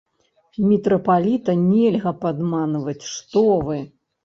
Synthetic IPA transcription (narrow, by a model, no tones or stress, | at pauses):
mʲɛt̪ɾɐpalʲit̪ɐnʲɛlʲɣɐpad̪manvɐt͡sʲʂt̪ɔvɨ